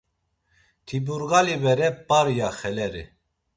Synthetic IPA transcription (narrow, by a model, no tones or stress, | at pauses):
t̪ʰibuɾɣalibɛɾɛpaɾjaxɛlɛɾḭ